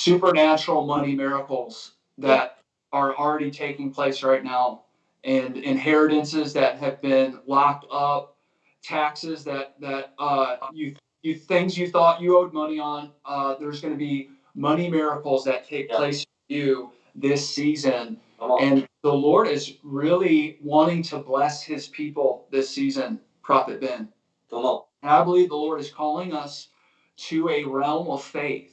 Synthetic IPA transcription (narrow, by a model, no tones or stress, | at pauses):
sʉpə˞næt͡ʃɹl̩ˠmʌñimɪɹəkl̩ˠz̥ | ðɨɾ | ə˞l̩ˠɹɛɾitʰeɪkɪ̃ŋpʰl̥eɪsɹaɪtⁿnaʊ | ʔɨ̃nɪ̃nɦɛɹɨɾɨ̃nsɪzðɨt̚ɦɨvbɪ̃nlɑk̚tʰʌp̚ | tʰæksɪzðɨt̪̚ðɨt̚ʌjɨ | jɨθɪ̃ŋzjɨθɔt͡ʃɨoʊd̚mʌniə̃nʌðə˞zɡʌnɨbi | mʌñimɪɹɨkl̩ˠzðɨtʰeɪk̚pʰl̥eɪs | jʉ | ðɪsizɨ̃n | ɨ̃nðəlɔɹɾɪzɹɪlˠiwɑ̃ɾ̃ɪ̃ŋtʰəblɛshɪz̥pʰipl̩ˠðɪsizɨ̃n | pʰɹ̥ɑfɨt̚b̥ɪ̃n | naɪbəlivðəlɔɹɾɨz̥kʰɔlˠɪ̃ŋʌs | tʰɨɨɹɛlˠməv̥feɪθ